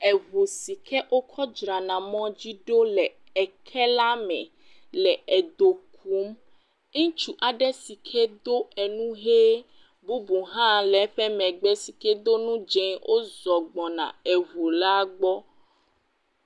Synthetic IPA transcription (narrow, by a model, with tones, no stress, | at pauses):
ɛ˨vu˨si˨kʰɛ˦ʔo˦kʰɔ˦d͡ʒɾa˨nã˨mɔ̃˦d͡ʑi˦ɖo˦lɛ˨ | ɛ˨kʰɛ˦la˦mɛ̰̃˨ | lɛ˨ɛ˨d̪o˨k̚ʰu˨˦m | ŋ̩̃˦t͡ʃu˨ʔa˨ɖɛ˦si˨kʰɛ˦d̪o˦ɛ˨nũ˦ɦe˦ | bu˦bu˨ɦã˦lɛ˨˦ɸɛ˦mɛ̃˨ɡ͡bɛ˦si˨kɛ˦d̪o˦nũ˦d͡ʒɛ̃˨wʔo˦zɔ˨ɡ͡bɔ˨nã̰˨ɛ˨vo˨la˦ɡ͡bɔ˦